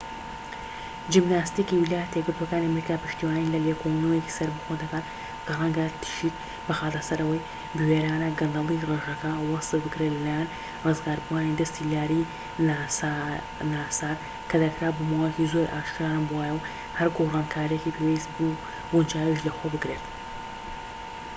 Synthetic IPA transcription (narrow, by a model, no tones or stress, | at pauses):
d͡ʒibnaːst̪iːkiwilaːjɛt̪ʰjɡɨɾt̪wokaːniɐmɾikaːpɨʃt̪iwaːnilɐlekʰonɐwjeki̥sɐɾbɐxod̪ɐkaːt̪ | kɐrˤɐŋɡɐt̪ʰɨ̥ʃik̚ | bɐxaːt̪ɐsɐɾɐwɐj | bɨweːɾaːnɐɡɨnd̪ɐlˠireʒɐkɐwɐsɨbɨkɾelɐlaːjan | rɨzɡaːɾbuaːnid̪ɐst̪ilaːɾi | nasa | naːsaːɾ | kʰɐd̪ɐkɾaːbomaːwajekizo̞ɾʔaːʃkɾaːnbwaːjɐw | hɐɾɡorɑːnkʰaːɾijekipʰeweisbu | bund͡ʒaːwiʃlɐxoːbɨɡɾet̪